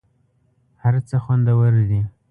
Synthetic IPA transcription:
haɾt͡səxwand̪awəɾd̪i

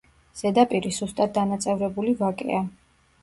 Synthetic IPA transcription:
z̥ɛd̪apʼiɾiz̥ust̪ʼat̪̚d̪anat̪sʼɛvɾɛbulivakʼɛ̰a

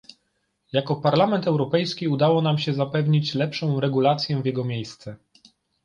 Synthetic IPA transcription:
jakɔpaɾlamɛnt̪ɛwɾɔpɛjskʲiud̪awɔnamɕɛzapɛvɲit͡ɕlɛpʂɔ̃w̃ɾɛɡulat̪sʲjɛvʲjɛɡɔmʲjejst̪sɛ

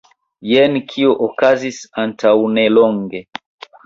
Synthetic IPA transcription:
jɛnkʰiɔʔɔkazisantʰaunɛlɔŋɡɛ

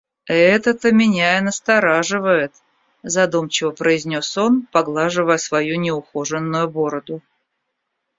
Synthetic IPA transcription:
ɛt̪ət̪əmʲɪnʲaɪnəst̪ɐɾaʐɨvəjɪt̪ | zɐd̪umt͡ɕɪvəpɾəɪzʲnʲoso̞npɐɡlˠaʐɨvəjəsvɐjunʲɪʊxoʐɨnːʊjʊboɾəd̪ʊ

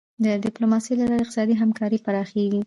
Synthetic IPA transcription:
d̪ədɪplomɑsejlalɑɾaɪq̚t̪sɑd̪iɦamkɑɾipaɾɑxeɡi

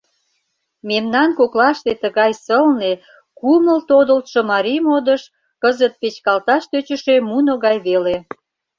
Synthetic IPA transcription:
memnɑnkoklɑʃt̪et̪əɣɑjsəlne | kuməlt̪od̪ə̆lt̪ʃŏmɑɾimod̪əʃ | kəzət̪̚pet͡ɕkɑlt̪ɑʃt̪øt͡ɕə̆ʃemunoɣɑjβele

